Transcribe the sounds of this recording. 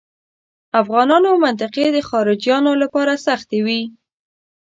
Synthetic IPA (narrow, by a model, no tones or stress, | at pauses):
afɣɑnɑnomant̪ɪqed̪əxɑɾɪd͡ʒjɑnolapɑɾasaxt̪ewi